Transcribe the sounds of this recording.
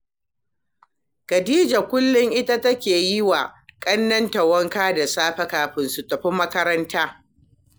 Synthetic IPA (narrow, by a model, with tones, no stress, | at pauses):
kɐ˨diː˦d͡ʒa˨kʷʊ˦lːʊ˦ŋʔɪ˦ta˦tɐ˦kʲeː˨jɪ˦wa˨kʼɐ˦nːɐ˦ntɐ˨wɐ˦ŋkaː˦da˨saː˦ɸɐ˦kaː˨ɸɪ˦nsʊ˨tɐ˨ɸɪ˦mːɐ˦kɐ˦ɾɐ˦ntaː˦